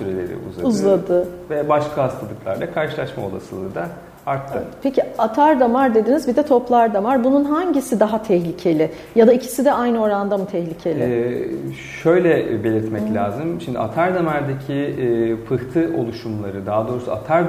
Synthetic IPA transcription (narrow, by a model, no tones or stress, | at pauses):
syɾelʲḛɾḭṵzlˠauzllˠad̪ɯvɛbaʃkʰaɦast̪ʰalˠɯklˠa̰ɾd̪ˠakʰaɾʃɯlˠaʃmao̞̰lˠa̰sɯlˠɯ̰ːd̪a | aɾt̪ʰːɯpʰeciat̪ʰaɾd̪amaɾd̪e̞d̪inizbid̪ɛt̪ʰo̞plˠaɾd̪amaɾbununɦaɲɟisid̪aɦat̪ʰɛhlʲicʰe̞lʲɪ | jad̪aicʰi̥sid̪ɛajnɯo̞ɾand̪amut̪ʰɛhlʲicʰe̞lʲɪ | ʃø̞jlʲɛbe̞lʲiɾt̪mɛclʲaːzɯmʃimd̪ia̰t̪ʰaɾd̪amæɾd̪ecʰifʰɯht̪ʰɯʔo̞̰lˠuʃumlˠaɾɯd̪aɦːd̪o̞ːɾusua̰t̪ʰaɾ